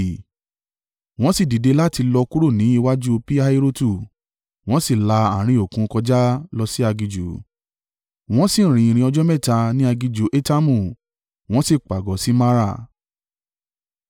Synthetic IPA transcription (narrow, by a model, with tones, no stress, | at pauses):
w̃ɔ̃˦si˦˨di˨de˧˦la˦ti˧lɔ˧ku˦ɾo˦˨nĩ˨˦i˧wa˦d͡ʒu˦o˧pi˦a˦i˧ɾo˦tu˦˨ | w̃ɔ̃˦si˦˨la˧a˨ɾ̃ĩ˧˨o˨kũ˧kɔ˧d͡ʒa˦lɔ˧si˦a˧ɡi˧d͡ʒu˨˦ | w̃ɔ̃˦si˦˨ɾ̃ĩ˨i˧ɾ̃ĩ˧ɔ˧d͡ʒɔ˦mɛ˦˨ta˧nĩ˦a˧ɡi˧d͡ʒu˨˦ʔe˦ta˦mũ˦˨ | w̃ɔ̃˦si˦˨k͡pa˨ɡɔ˨˦si˦ma˦ɾa˦˨